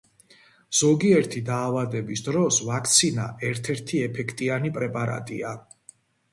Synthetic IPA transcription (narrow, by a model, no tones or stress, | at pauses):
z̥ɔɡiɛɾt̪ʰid̪aːvad̪ɛbisd̪ɾɔsvakʰt̪sʰina̰ʔɛɾt̪ʰɛɾt̪ʰiɛpʰɛkʰt̪ʼianipʼɾɛpʼaɾa̰t̪ʼḭa